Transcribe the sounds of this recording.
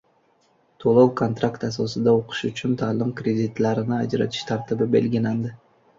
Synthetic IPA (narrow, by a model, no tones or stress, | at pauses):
t̪ʰolˠowkʰont̪ɾakt̪asɒsɪd̪aoqʰʊ̥ʃʊt͡ʃʰʊnt̪ʰalɪmkɾʲe̞d̪ɪt̪laɾɪnɪad͡ʒɾa̰t̪ʰɪ̥ʃt̪ʰaɾt̪ɪbɪbe̞̰lɡʲɪland̪ɪ